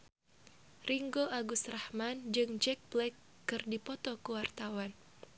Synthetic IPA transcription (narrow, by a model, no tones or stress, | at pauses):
riŋɡoaɡust̪rahmand͡ʒɨŋd͡ʒɛk̚blɛkː | ɨrdipɔt̪ɔkəwart̪awan